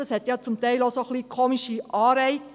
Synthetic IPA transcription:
ɑshɛt̪jɑt͡sʊmtɛɪlosoχliːkʰoːmiʃiʔɑːɾɛɪ

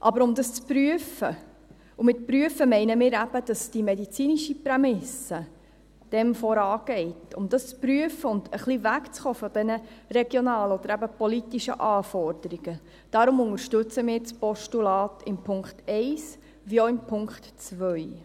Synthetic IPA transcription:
ʔɑbəɾʊmd̪ɑst͡spɾyəfə | umɪtpɾyəfəmɛɪnəmɪːɾæb̥əd̥ɑsd̥imɛdit͡siːniʃiprɛmɪsə | d̥ɛmfɔɾɑːɡ̥ɛɪtʊmd̥̪ɑst͡spɾyəfəʊnd̪əχlivækt͡sχoːfɔd̥ɛnərɛɡjonɑːləɔd̥̪əɾæbəpɔlitiʃə̰ʔɑːfɔɾd̥̪əɾiɡ̥ə | d̥ɑɾʊmʊŋəɾʃtɵt͡səmɪːɾt͡spɔʃtulɑːtɪmpʰʊŋkχtɛɪs | ʋioɪmpʰʊŋktt͡svœʏ

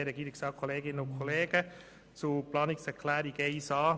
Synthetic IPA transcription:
ɾɛɡ̥iːɾɪksɑːkʰɔleːɡɪnənʊnkʰɔleːɡ̥ə | t͡suplɑːnɪksɛɾkʰlæːɾiɡesɑː

